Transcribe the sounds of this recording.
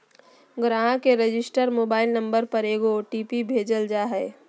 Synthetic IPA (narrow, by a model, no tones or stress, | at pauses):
ɡɾãɦãkeɾed͡ʒɪsʈəɾmoːbaːɪlnə̃mbəɾpəɾeːɡoʈiːpibʱeːd͡ʒəld͡ʒaɦɛː